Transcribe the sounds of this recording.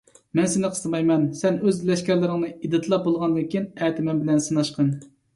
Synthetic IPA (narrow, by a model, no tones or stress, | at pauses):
mɛnsɪnɨqʰə̥st̪ɨmɑjmɛnsɛnøzlɛʃkʲɛɾlɪɾɪŋnɨid̪ɨt̪ʰlˠɑp̚bolˠʁɑnd̪ɨkʲinɛːt̪ʰɪmɛmbɪlɛnsɨnɑʃqən